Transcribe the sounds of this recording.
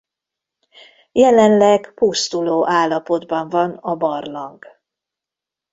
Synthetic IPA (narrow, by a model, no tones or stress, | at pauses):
jɛlɛnlɛɡpust̪uloːʔaːlːɒpo̞d̪bɒɱvɒnɒbɒrlɒŋk